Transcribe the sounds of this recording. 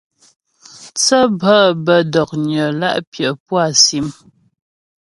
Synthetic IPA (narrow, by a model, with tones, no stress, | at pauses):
t͡sə˦bə˦bə˦dɔ˨k̚ɲə˨la̰˦ʔpjə˨pwa˦˨si˨˦m